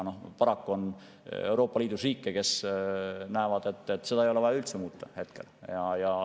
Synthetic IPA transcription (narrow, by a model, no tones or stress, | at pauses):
no̞hpɑɾɑkːuo̞n | e̞wɾo̞ːpːˑɑliːd̪̥usriːkːˑeke̞s | næevɑd̪̥e̞t̪ːˑet̪ːse̞d̪̥ɑejo̞leɑjɑylt̪semuːt̪ːɑhe̞t̪̚ke̞̰ljɑjɑ